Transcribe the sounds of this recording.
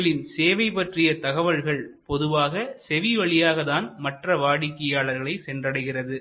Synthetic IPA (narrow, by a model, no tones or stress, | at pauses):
ɭɪnseːʋɐɪpːɐʈrɪjɐt̪ɐɣɐʋɐlɣɐɭpɔðɯʋaːɣɐsɛʋiʋɐɭɪjaːɣɐðaːnmɐʈrɐʋaːɽɪkːɐjaːɭɐɾɣɐɭɐɪsɛndrɐɽɐɪɣɪrɐðɯ